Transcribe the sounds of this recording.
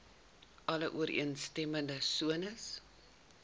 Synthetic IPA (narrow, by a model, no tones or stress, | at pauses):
ɐləʔuəɾʔḭənstɛməndəsuənəs